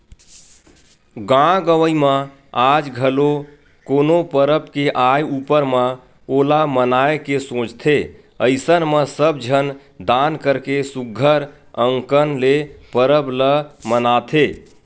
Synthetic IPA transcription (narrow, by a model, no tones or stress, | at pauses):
ɡãɡəʋəimã | ad͡ʒɡʱəlo | konopəɾəpkeʔajupəɾmã | olamənaekesõt͡ʃt̪ʰe | əɪsənmə̃səbd͡ʒʱən | d̪ankəɾkesuɡʱːəɾ | əŋkənlepəɾəbləmənat̪ʰe